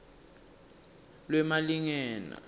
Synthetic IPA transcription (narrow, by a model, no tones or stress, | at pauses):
lwɛmaliŋɛːnɔ̰